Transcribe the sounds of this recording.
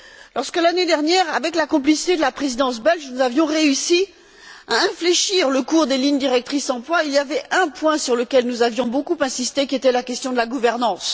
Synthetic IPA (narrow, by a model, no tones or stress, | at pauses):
lɔʁskəlaned̪ɛʁnjɛʁavɛklakɔ̃plisi̥t̪ed̪əlapχezid̪ɑ̃s̬bɛlʒnuzavjɔ̃ʁeysi | aɛ̃fleʃiʁləkuʁd̪eliɲd̪iʁɛk̚t̪χisd̪ɑ̃plwailjavɛʔɛ̃pwɛ̃syʁləkʲɛlnuzavjɔ̃bokupɛ̃sist̪ekʲiet̪ɛlakʲɛst̪jɔ̃d̪əlaɡuvɛʁnɑ̃s